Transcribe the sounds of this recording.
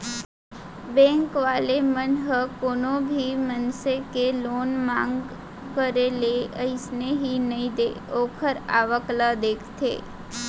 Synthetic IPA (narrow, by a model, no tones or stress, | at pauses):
bɛ̃ːŋkʋaːlemənɦəkoːnõbʱimənsekeloːnmãːŋɡ | kəɾeleəɪsneɦinəĩd̪eːoːkʰəɾa̰ːʋəklad̪eːkʰt̪ʰḛː